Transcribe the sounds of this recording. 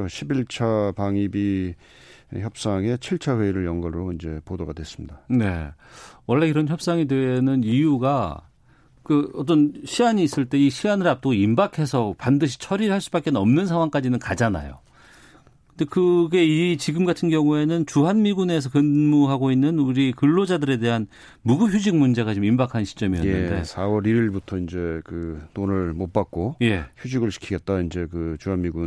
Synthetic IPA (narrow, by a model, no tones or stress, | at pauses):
oɕʰibiɭt͡ɕʰapaŋibi | çjʌp̚s͈aŋe̞t͡ɕʰiɭt͡ɕʰaheiɾɯɭjʌŋɡʌnɯɾoind͡ʑe̞̰podoɡa̰dwe̞s͈ɯ̥mɲidane̞̰wʌɭːe̞iɾʌnçjʌp̚s͈aŋidwenɯnijuɡa | kɯʌt͈ʌnɕʰiɡaɲiːs͈ɯɭt͈e̞iɕʰiɡanɯɭap̚t͈ɯɡoimbakʰe̞sʰʌpandɯɕ̬ʰi̥t͡ɕʰʌɾiɾɯɦaɭs͈ubak͈enɯnʌmnɯnsʰaŋwaŋk͈ad͡ʑinɯnkad͡ʑana̰jo̰ | kɯnde̞kɯɡe̞it͡ɕiɡɯmɡatʰɯnɡjʌŋue̞nɯnt͡ɕuɦanmiɡune̞s̬ʰʌkɯnmuɦaɡoinːɯnuɾikɯɭːod͡ʑadɯɾe̞de̞ɦan | muɡuçjud͡ʑik̚mund͡ʑe̞ɣat͡ɕomimbakʰannɕʰi̥t͡ɕ͈ʌmijʌ̰jneːɯ̰nde̞̰sʰawʌɾiɾiɭbutʰʌind͡ʑe̞kɯtonɯɭmop͈ak̚k͈oje̞çjud͡ʑiɡɯɭɕʰi̥kʰiɡe̞t̚t͈aind͡ʑe̞kɯt͡ɕuɦanmiɡun